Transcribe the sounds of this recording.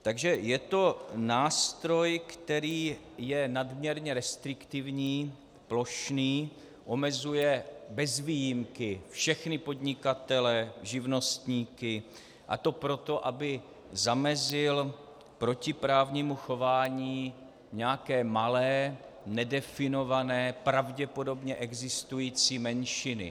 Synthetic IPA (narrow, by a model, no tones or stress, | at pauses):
t̪aɡʒɛjɛt̪o̞naːst̪ɾo̞jkt̪ɛɾiː | jɛnadmɲɛɾɲɛɾɛst̪ɾɪkt̪ɪvɲiː | plo̞ʃniː | ʔo̞mɛzujɛbɛzviːjɪmkɪfʃɛxnɪpo̞d̪ɲɪkat̪ɛlɛʒɪvno̞st̪ɲiːkɪ | ʔa̰t̪o̞pɾo̞t̪o̞ʔabɪ | zamɛzɪl | pɾo̞cɪpɾaːvɲiːmuxo̞vaːɲiː | ɲɛjakɛːmalɛː | nɛdɛfɪno̞vanɛːpɾavɟɛpo̞do̞bɲɛʔɛɡzɪst̪ujiːt͡siːmɛnʃɪnɪ̰